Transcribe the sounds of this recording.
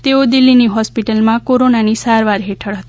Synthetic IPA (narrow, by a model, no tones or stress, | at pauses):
t̪eod̪ɪlːiniɦɔspiʈəlmãkoɾonanisaɾʋaɾɦeʈʰəɽɦət̪i̥